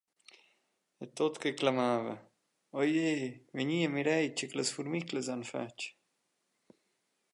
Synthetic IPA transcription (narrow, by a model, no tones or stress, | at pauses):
et̪ot̪kəklamaːvə̰ | ɔjejvəɲiəmiɾɛjt͡ʃəkləsfuɾmikləzanfa̰t͡ʃ